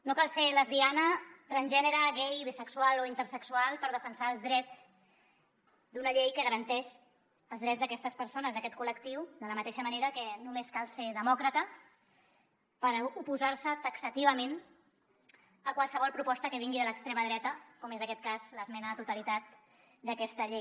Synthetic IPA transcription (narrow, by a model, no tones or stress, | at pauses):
nokalˠseləzβianət̪rənʲʒɛnəɾəɣɛjβisəksualoint̪əɾsəksualˠpəɾð̞əfənsaəlˠzðɾɛd͡z | d̪unəʎejkəɣəɾənt̪ɛʃ | əlˠzðɾɛd͡zðəkɛst̪əspəɾsonəzðəkɛt̪̚kuləkt̪iwðələmət̪eʃəməneɾəkənumeskalˠseɾðəmɔkɾət̪ə | pəɾupuzaɾsət̪əksət̪iβ̞əmen | əkwalˠsəβ̞ɔlˠpɾupɔst̪əkəβiŋɡiðələkst̪ɾeməðɾɛt̪əkɔmezəkɛt̪̚kazləzmɛnət̪ut̪əlit̪at̪̚ | d̪əkɛst̪əʎej